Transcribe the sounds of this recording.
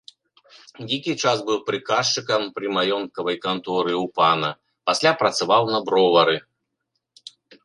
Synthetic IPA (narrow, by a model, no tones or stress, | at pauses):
d͡zʲikʲit͡ʂasbɨwpɾɨkaʂt͡ʂɨkɐmpɾɨmajɔnt̪kɐvɐjkant̪ɔɾɨupanɐ | pasʲlʲapɾɐt̪savawnɐbɾɔvɐɾɨ